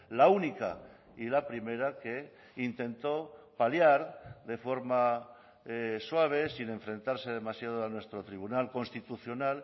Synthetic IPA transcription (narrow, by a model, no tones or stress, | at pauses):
launika̰ | ilapɾime̞ɾake̞ | int̪e̞nt̪o̞ | paljaɾðe̞fo̞ɾma | swaβ̞e̞sine̞ɱfɾẽ̞nt̪aɾse̞ð̞e̞masjað̞oanwe̞st̪ɾo̞t̪ɾiβ̞unalko̞nst̪it̪uθjo̞nal